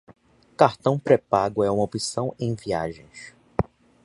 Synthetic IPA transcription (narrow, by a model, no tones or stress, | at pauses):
kaɾt̪ɐ̃w̃pɾepaɡʊɛũmɐopisɐ̃w̃ẽj̃via̰ʒẽj̃s